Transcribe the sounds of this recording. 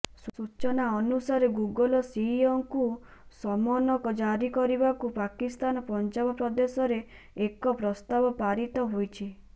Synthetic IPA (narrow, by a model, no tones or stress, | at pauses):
susut͡ʃɔnaɔnusaɾeɡuɡɔlɔsiːɔŋkusɔmɔnɔkɔd͡ʒaɾikɔɾibakupakist̪anɔpɔnd͡ʒabɔpɾɔd̪esɔɾeː | kɔpɾɔst̪abɔpaɾit̪ɔɦojt͡ʃʰi